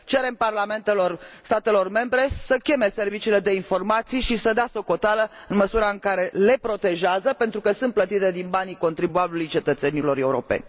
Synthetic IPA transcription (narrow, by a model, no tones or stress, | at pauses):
t͡ʃe̞ɾe̞mparlame̞nt̪e̞lo̞rst̪at̪e̞lo̞rme̞mbɾe̞səkʲe̞me̞se̞rvit͡ʃile̞d̪e̞info̞rmat̪sijʃisəd̪easo̞ko̞t̪alə | ɨnməsuɾaɨŋkaɾe̞le̞pɾo̞t̪e̞ʒeazəpe̞nt̪ɾukəsɨnt̪plət̪it̪e̞d̪inbaniko̞nt̪ɾibuabilujt͡ʃe̞t̪ət̪se̞nilo̞ɾe̞uɾo̞̰pe̞̰nʲ